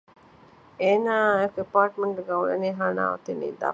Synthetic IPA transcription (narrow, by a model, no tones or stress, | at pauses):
eːnaːjɐkepaːʈmeɳɡeɡaulḛneːɦaːna̰ːʋɐ̰t̪enḭːd̪a̰ː